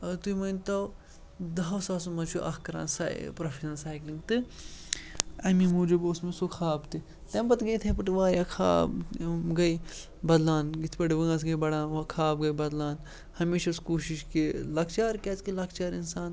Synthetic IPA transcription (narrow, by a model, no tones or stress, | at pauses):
ɐt̪uimɐnt̪ɐ | d̪ɐwsaːs̬umɐt͡ʃʰuʔɐhkɐɾa̰ːnsa̰j̰pɾɐfʰiʃɐnsaːjklĩŋɡt̪ɨ | ɐmimuːd͡ʒuboːsmesukʰaːbt̪ɨ | t̪ɐmbɐt̪ɡɐjt̪ʰɐpɐʈiʋaːɾjaːkʰa̰ːbɡɐj | bɐd̪laːnɡit̪ʰpɐʈiʋɐɡɐs̬ɡɐjbɐɽaːnʋakʰaːb̚ɡɐjbɐd̪laːn | hɐmeːʃɐskuːʃiʃkilɐkʰt͡ʃaːɾkɐt͡skilɐkt͡ʃaːɾinsaːn